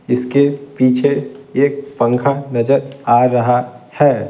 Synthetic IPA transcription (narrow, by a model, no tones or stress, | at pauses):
ɪskepiːt͡ʃʰeeːk̚pə̃ŋkʰanɐd͡ʒəɾaːɾɐɦa | hɛː